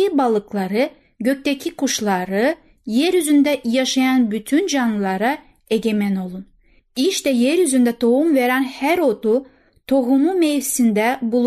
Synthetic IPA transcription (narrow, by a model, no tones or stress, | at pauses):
ibalˠɯklˠaɾɯ | ɟø̞c̚t̪ecʰikuʃlˠaɾɯ | jɛɾjyzynd̪ɛjaʃajanbyt̪ʰynd͡ʒanlˠɯlˠaɾa | e̞ɟe̞mæno̞lˠun | iʃt̪ɛjɛɾjyzynd̪ɛt̪ʰo̞umve̞ɾænhæɾo̞d̪u | t̪ʰo̞ɦumumejvsind̪ɛbulˠ